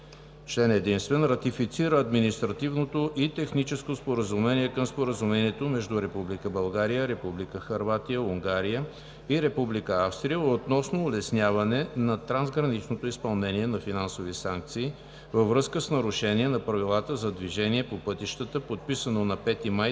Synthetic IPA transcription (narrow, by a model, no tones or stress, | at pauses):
t͡ʃlɛnɛd̪inst̪vɛnɾɐt̪ifit̪siɾəɐd̪minist̪ɾɐt̪ivnot̪oʔit̪ɛxnit͡ʃɛskospoɾəzumɛniɛkəmspoɾəzumɛniɛt̪omɛʒd̪uɾɛpublikəbɐlˠɡaɾijəɾɛpublikəxɐɾvat̪ijəuŋɡaɾijə | iɾɛpublikəafst̪ɾijəot̪nɔsnoːlɛsnʲjavɐnɛnɐt̪ɾanzɡɾɐnit͡ʃnot̪oispɐlˠnɛniɛnɐfinansovisaŋk̚t̪siː | vəvɾɤskəsnɐɾʊʃɛniɛnɐpɾɐvilˠat̪əzɐd̪viʒɛniɛpopɤt̪iʃt̪ət̪əpot̪̚pisənonɐpɛt̪imaj